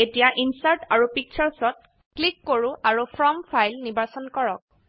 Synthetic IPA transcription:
etijaʔinsaɹʈaɹupik̚t͡ʃʰaɹsɔt̚ | klikːoɹũaɹupʰɹɔmpʰajlnibasɔnkɔɹɔk̚

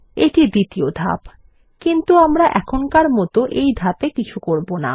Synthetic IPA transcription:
eʈid̪it̪iod̪ʱa̰p | kint̪uamɾaʔɛkʰonkaɾmɔt̪oʔejd̪ʱapekit͡ɕʰukoɾbona̰

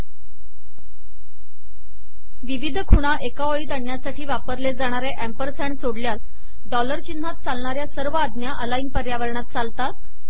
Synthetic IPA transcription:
ʋiʋid̪ʱəkʰuɽ̃aʔekaʋəɭiːt̪əɳːjasaʈʰiːʋapəɾled͡zaɽ̃aɾeʔæmpəɾsɛɳsoɽljas | ɖɔləɾt͡ɕin̤ːat̪̚t͡salɳaɾjasəɾʋəad̪njaʔəlaiːnpəɾjaʋəɾɳat̪̚t͡salt̪at̪̚

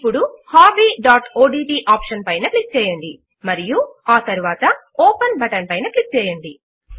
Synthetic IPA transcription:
ipːuɽuhaːbiːɖaːʈoːɖiːʈiːʔaːpʂɐnpɐjnɐklik̚t͡ʃɛːjɐɳɖi | mɐɾijuaːt̪ɐɾuʋaːt̪ɐ | oːpɐnbɐʈɐnpɐjnɐklik̚t͡ʃɛːjɐɳɖi

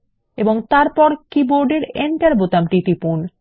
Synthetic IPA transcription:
eboŋt̪aɾpɔɾkiboɾɖeɾeɳʈaɾbot̪amʈit̪ipun

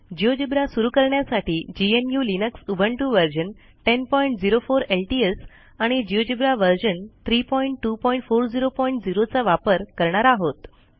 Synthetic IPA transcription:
d͡ʑiod͡ʑibɾasuɾuːkəɾɳjasaʈʰiːd͡ʑienjulinəksubʱəɳʈuʋəɾd͡ʑən | ʈenpɔiɳʈ̚d͡ziɾofoɾelʈies | aɽ̃id͡ʑiod͡ʑibɾaʋəɾd͡ʑənt̪ʰɾiːpɔiɳʈːupɔiɳʈfoɾd͡ziɾopɔiɳʈd͡ziɾot͡saʋapəɾkəɾɳaɾaːɦot̪

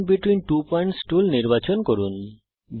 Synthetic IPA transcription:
biʈwinʈupɔjɳʈskulniɾbat͡ɕonkoɾun | b

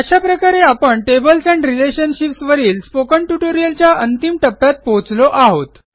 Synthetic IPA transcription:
əɕapɾəkaɾeapəɳʈebəlsɛ̃ɳɖɾileɕənɕipsʋəɾiːlspokəɳʈuʈoɾijəlt͡ɕjaʔənt̪imʈəpːjat̪̚pot͡sloʔaɦot̪

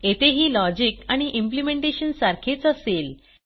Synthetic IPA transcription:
et̪eɦiːlɔd͡ʑikaɽ̃iʔimp̬limẽɳʈeɕənsaɾkʰet͡səsel

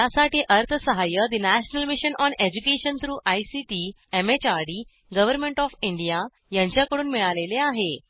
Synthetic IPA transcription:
jasaʈiːʔəɾt̪ʰəsəɦajəd̪inæɕnəlmiɕənʔɔned͡ʑukeɕənt̪ʰɾuːʔajsiʈi | emet͡ɕaɾɽiː | ɡəʋəɾmeɳʈɔfiɳɖija | jãɲt͡ɕjakəɽuːnmiɭaleleaɦe

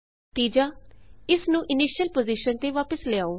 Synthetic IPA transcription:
t̪iːd͡ʒaːɪsnũːʔɪniːʃjəlpoːziʃənt̪eːʋaːpəslɪaːoː

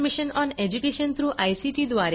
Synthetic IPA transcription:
miʃənɔned͡ʑukeʃənt̪ʰɾuːʔajsiʈid̪ʋaɾ

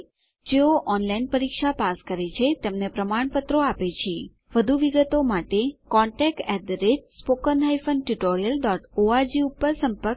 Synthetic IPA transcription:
d͡ʒeoʔɔnlainpəɾikʃapaskəɾet͡ʃʰet̪emnepɾəmaɳpət̪ɾoapet͡ʃʰe | ʋəd̪ʱuʋiɡət̪omaʈekɔɳʈɛk̚ʈɛd̪ɾed͡ʒspokənɦaifənʈuʈoɾijəlɖɔʈoad͡ʒiupːəɾsəmpəɾk

